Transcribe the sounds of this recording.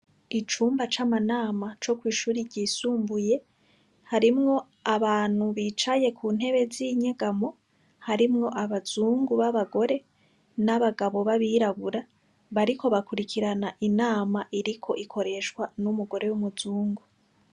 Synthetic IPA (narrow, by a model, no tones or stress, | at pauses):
it͡ʃuːmbat͡ʃamanaːmat͡ʃo̞kwiːʃuːɾiɾɟiːsuːmbuje̞ | haɾimŋo̞ | aβaːn̥huβit͡ʃaje̞kʰuːn̥ɦe̞βe̞ziɲeɡamo̞ | haɾimŋo̞ʔaβazuːŋɡuβaβaɡo̞ɾe̞ | naβaɡaβo̞βaβiɾaɡuɾa | βaɾikʰo̞βakuɾikʰiɾanaʔinaːmaʔiɾikʰo̞ʔikʰo̞ɾe̞ʃkwanumuɡo̞ɾe̞wumuzuːŋɡu